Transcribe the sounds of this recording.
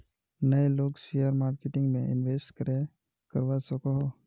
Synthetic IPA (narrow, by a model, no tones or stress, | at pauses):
nəeloːɡsejəɾmaːɾkeʈɪ̃ŋɡmḛ̃ɪ̰nʋeːsʈkəɾe | kəɾʋasəkoɦo